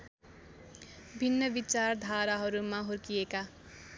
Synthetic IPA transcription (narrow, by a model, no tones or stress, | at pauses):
bʱinːʌbit͡sard̪ʱaɾaɦʌɾumaɦorkijeka